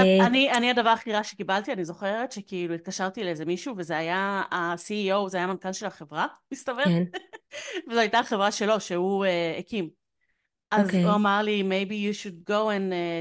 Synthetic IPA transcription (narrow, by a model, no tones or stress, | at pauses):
aanianiadavaʁaχiʁaʃekibalt̪ianizo̞χeʁet̪ʃekiiluit̪̚kaʃaʁt̪ileezemiʃuvezeajaːsiiowzeajamankanʃe̞laχe̞vʁamist̪ɐve | vezoajtaχe̞vʁaʃelo̞ʃeueekim | ʔazoamaʁlimejbijuʃud̚ɡowẽne